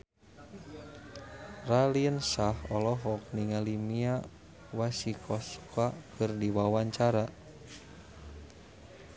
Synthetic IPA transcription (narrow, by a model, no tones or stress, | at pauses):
raliənsahɔlɔɦɔk̚niŋalimia | wasikʰɔskakərdiwawaɲt͡ʃaɾa